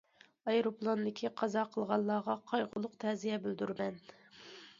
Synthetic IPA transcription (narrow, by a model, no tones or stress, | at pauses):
ɑjɾoplˠond̪ɪkʲʰiqʰɑzɑqʰəlˠʁɑlˠːɑːʁɑqʰɑjʁʊlˠːʊqt̪ʰɛzijɛbyld̪yɾmɛn